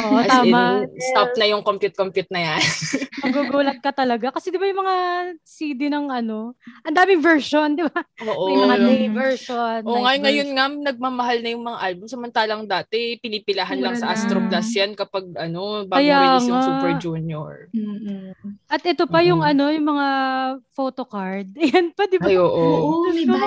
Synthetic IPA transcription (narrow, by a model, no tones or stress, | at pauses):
ʔoʔt̪aːmɐst̪ap̚nɐjʊŋkompjʊt̪̚kompjʊt̪̚nɐjanmɐɡuɡuːlɐt̪̚kɐt̪ɐlɐɡakɐsɛd̪ɪbajʊŋmɐŋasiːd̪ɪnɐŋɐno̞ʔɐnd̪aːmɪŋvɛɹʃond̪ɪbaʔoːʔoŋavɛɹʃonʔoŋaŋɐjonŋamnɐɡ̚maːmɐɦalnɐjʊŋmɐŋaʔalbʊmsɐmɐnt̪aːlɐŋd̪aːt̪ɛpɪnipɪlaɦɐnlɐŋsɐʔast̪ɾoplasjankɐpaɡ̚ɐno̞baɐjaːŋasupɛɹd͡ʒuːnjo̰ɹm̩ː | ʔɐt̪ʔɛt̪o̞pɐjʊŋɐno̞jʊŋmɐŋafo̞ːt̪okaɹd̪̚jɐnpɐd̪ɪajoːʔo